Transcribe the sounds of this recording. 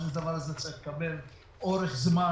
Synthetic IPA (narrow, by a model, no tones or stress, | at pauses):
lad̪avaɾazet͡saʁiχlekabel | ʔoʁeχzma